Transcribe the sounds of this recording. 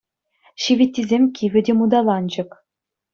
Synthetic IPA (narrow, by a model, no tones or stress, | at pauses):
ɕiʋʲit̪ʲːizʲemʲkʲiʋʲɘ̆dʲemud̪ɑlˠɑnd͡ʑɤ̆k